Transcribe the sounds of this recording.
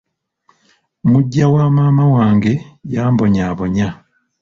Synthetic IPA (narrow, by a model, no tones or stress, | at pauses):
muɟːawaːmaːmawaːŋɡe̞jaːmbo̞ɲaːβo̞ɲa